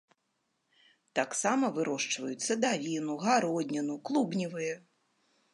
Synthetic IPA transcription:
t̪aksamɐvɨɾɔʂt͡ʂvɐjut̪sːɐd̪avʲinuɣaɾɔd̪ʲnʲɐnuklˠubnʲivɨjɐ

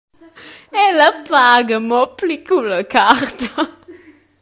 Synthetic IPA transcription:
ɛləpaːɡəmɔplikuləkaɾt̪ə

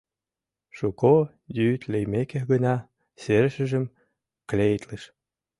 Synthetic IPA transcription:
ʃuko | jyt̪lejmekehɣənɑ | seɾəʃə̆ʒə̆m | klejt̪ləʃ

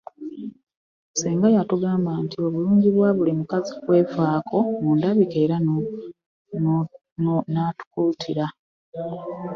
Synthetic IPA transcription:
seːŋɡajatuɡaːmbaːntio̞βuluːɲɟiβwaβulimukazikwe̞ːfaːkʰo̞muːndaβikeːɾa | natu̥kultʰiɾa

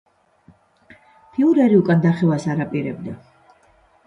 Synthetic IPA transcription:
pʰiuɾɛɾiukʼand̪aχɛvasaɾapʼiɾɛ̰bd̪a

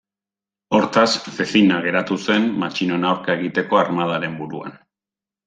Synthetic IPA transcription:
o̞ɾt̪asfe̞θinaɣ̞e̞ɾat̪use̞nmat͡ʃino̞nawɾkae̞ɣit̪e̞ko̞aɾmað̞aɾe̞mbuɾua̰n

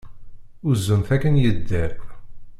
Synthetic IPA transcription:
ʊzːəmθækənjəd̪ːæɾ

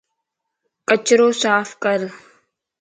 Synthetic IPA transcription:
kət͡ʃɾoːsaːfʰkəɾ

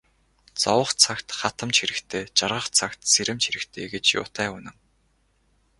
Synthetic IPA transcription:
t͡sɔwə̆χt͡sʰakt̪χat̪ə̆mt͡ɕxiɾɘ̆kt̪ʰeːt͡ɕarʁə̆χt͡sʰakt̪seɾɘ̆mt͡ɕxiɾɘ̆kt̪ʰḛːɡet͡ɕjʊ̰ːt̪æːʊnə̆ŋ

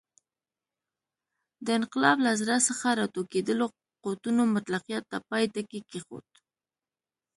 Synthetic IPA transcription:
d̪əɪnqɪlɑblazɾasəxaɾɑt̪oked̪əlo | qot̪unomat̪laqijat̪ːapɑjt̪akekexo̰t̪

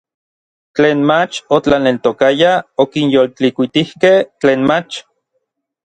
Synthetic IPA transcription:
t͡ɬeːnmat͡ʃot͡ɬanelt̪okajaokinjolt͡ɬikʷit̪ihkeht͡ɬeːnmat͡ʃ

